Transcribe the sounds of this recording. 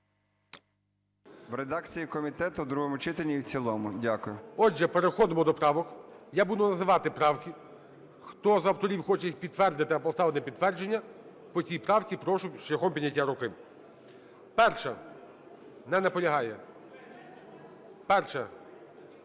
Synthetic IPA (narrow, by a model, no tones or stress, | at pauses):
ʋɾed̪ɑkt͡sʲijikɔmʲit̪ɛt̪ʊd̪ɾuɦɔmʊt͡ʃɪt̪elʲnʲiwt͡sʲilˠɔmʊdʲakʊjʊɔd͡ʒɛpeɾexɔd̪ɪmɔd̪ɔpɾɑʋɔk | jabud̪ʊnɐzɪʋɑt̪ɪpɾɑwkʲɪ | xt̪ɔzɐwt̪ɔɾʲiwxɔt͡ʃɛjixpʲid̪t̪ʋɛrd̪ɪt̪ɪɐpɔst̪ɑʋɪnɪpʲid̪t̪ːʋɛrd͡ʒenʲːɐ | pɔt͡sʲijpɾɑwt͡sʲipɾɔʃʊʃlʲɐxɔmpʲid̪ʲnʲːɐtʲːaɾʊkɪ | pɛrʃɐ | nɛnɐpɔlʲɐɦɑjɛ̰ | pɛrʃɐ